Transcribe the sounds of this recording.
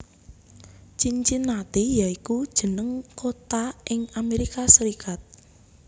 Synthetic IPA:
t͡ʃiɲt͡ʃinːat̪ijaikud̥ʒ̥ə̤nəŋkot̪aʔɪŋameɾikasəɾikʰat̪̚

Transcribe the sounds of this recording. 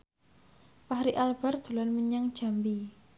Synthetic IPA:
pahɾiʔalb̥a̤rd̪̥ṳlanməɲaŋd̥ʒ̥a̤mbi

